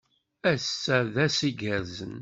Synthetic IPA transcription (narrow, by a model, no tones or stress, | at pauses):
æsːæðæsiɡəɾzən